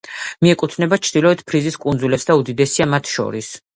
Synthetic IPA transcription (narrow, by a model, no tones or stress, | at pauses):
miɛkʼut̪ʰnɛbat͡ʃʰd̪̥ilɔɛt̪ʰpʰɾiziskʼunzulɛpsd̪aud̪id̪ɛsiamat̪ʰʃɔ̰ɾis